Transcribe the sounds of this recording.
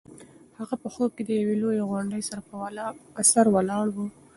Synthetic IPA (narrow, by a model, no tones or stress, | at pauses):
haɣapəxob̚ked̪əjawelojeɣwaɳɖəjsaɾaəsaɾwalɑɽwu